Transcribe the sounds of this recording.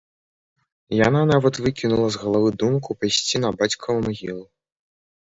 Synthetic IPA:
jananavɐt̪vɨkʲinulˠɐzɣɐlˠavɨd̪umkupajsʲt͡sʲinɐbat͡sʲkʰɐmaɣʲilˠu

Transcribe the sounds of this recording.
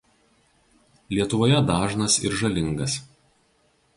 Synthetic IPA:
lʲiɛt̪ʊʋoːjɛd̪ɑːʒnɐsɪ̰ɾʒɐlʲɪŋɡɐs

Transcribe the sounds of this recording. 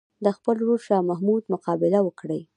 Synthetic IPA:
d̪əxpəlɾoɾʃɑmahmud̪mʊqɑbɪlawəkɽəj

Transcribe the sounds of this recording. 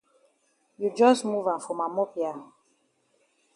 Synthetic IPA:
jud͡ʒɔsmuvãnfɹɔmamɔpia

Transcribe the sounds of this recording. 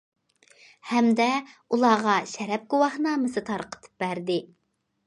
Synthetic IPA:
hɛmd̪ɛulˠɑːʁɑʃɛɾɛp̚ɡuwɑχnɑːmɨsɨt̪ʰɑɾqʰə̥t̪ʰɨ̥p̚bæɾd̪ɪ

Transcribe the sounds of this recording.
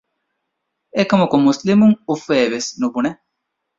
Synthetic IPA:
ekɐmukumuslimuŋufeːʋesnubune

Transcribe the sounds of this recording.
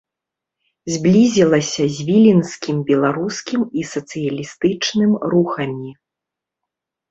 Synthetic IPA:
zʲblʲizʲilˠɐsʲɐzʲvʲilʲinskʲimbʲɛlˠaɾuskʲimisɐt̪sɨjɐlʲist̪ɨt͡ʂnɨmɾuxɐmʲi

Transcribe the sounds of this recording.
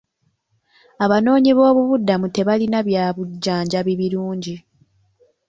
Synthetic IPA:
aβano̞ːɲiβo̞ːβuβudːamute̞βalinaβjaːβuɟːaːɲɟaβiβiɾuːɲɟi

